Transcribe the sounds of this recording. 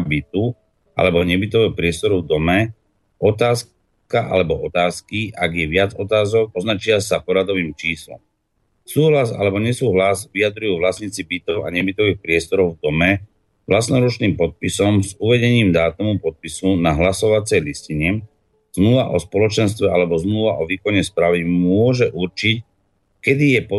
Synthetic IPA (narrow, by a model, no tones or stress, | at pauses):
bit̪u | ʔa̰lɛbɔɲɛbit̪ɔʋɛɔpɾɪɛst̪ɔɾuvd̪ɔmɛ | ɔt̪aːs | kaʔa̰lɛbɔʔɔt̪aːskiʔaɡjɛʋɪad͡zɔt̪aːzɔk̚ɔznat͡ʃɪasapɔɾad̪ɔʋiːmt͡ʃiːslɔ̰m | suːɦlaza̰lɛbɔɲɛsuːɦlazʋiad̪ɾujuːʋlasɲit͡sibit̪ɔʊa̰ɲɛbit̪ɔʋiːxpɾɪɛst̪ɔɾɔʊvd̪ɔmɛ | ʋlasnɔɾut͡ʃniːmpɔt̪̚pisɔmzuʋɛɟɛɲiːmd̪aːt̪umupɔt̪̚pisunaɦlasɔʋat͡sɛjlisciɲɛ | z̥mluʋaʔɔspɔlɔt͡ʃɛnst̪ʋɛalɛbɔzmluʋaʔɔʋiːkɔɲɛspɾaʋimʊɔʒɛʔuɾt͡ʃic | kɛd̪ijɛpɔ